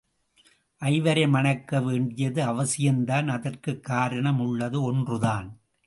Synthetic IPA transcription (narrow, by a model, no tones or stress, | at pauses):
ʔɐɪʋɐɾɐɪmɐnɐkːɐʋeːɳɖɪjɐðɯɐʋɐsɪjɐnd̪aːnɐðɐrkɯkːaːɾɐɳɐmʊɭːɐðɯɔndrɯðaːn